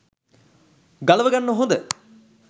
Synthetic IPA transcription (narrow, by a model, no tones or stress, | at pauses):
ɡalɐʋəɡanːəɦond̪ə